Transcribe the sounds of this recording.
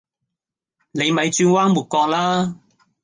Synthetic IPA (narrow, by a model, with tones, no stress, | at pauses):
ne˨˧jmɐ˨˧jt͡ʃyː˧nwaː˥ŋmuː˨˩t̚kɔː˧k̚laː˥